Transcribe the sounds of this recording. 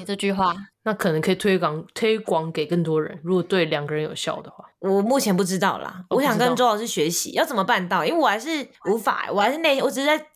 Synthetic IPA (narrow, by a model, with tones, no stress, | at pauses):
i˨˩ʈ͡ʂɤ˥˧t͡ɕy˥˧xwa˥˩na˥˩kʰɤ˨˩nə˧˦ŋkʰɤ˧i˨˩t̪ʰwe˥ɪkŋt̪ʰwe˦ɪkwɑ˦ŋke˨˩ɪkə˥˩ŋt̪wɔ˦˥ɻə̰˧˦nɻu˧˥kɔ˨˩t̪we˥˩ɪljɑ˨˩ŋɡə˦ɻə˦njo˨˩ʊɕjɑ̰˥˩ʊd̪ə˩xwa̰˥˩wɔ˨˩mu˥˩t͡ɕʰjɛ˧˥np̬u˥˩ʈ͡ʂɻ̩˥t̪ɑ˥˩ʊlɐ̰˩wwɔ˦ɕjɑ˨ŋkə˧˦nʈ͡ʂo˥xɑ˨˧ʊʂɻ̩˥˩ɕɥɛ˧˥ɕḭ˦jɑ˥˩ʊt͡sə˨˩mə˩pa˥˧nt̪ɑ˥˨ʊi˥nwe˥˩wɔ˨xa˧˦ɪʂɻ̩˥˩u˧˥fa̰˨˩ə̰˩wɔ˨˩xa˧˥ɪʂɻ̩˥˧ne˥˩ɪ˥˧wɔ˨˩ʈ͡ʂɻ̩˧˥˩t͡sa˥ɪ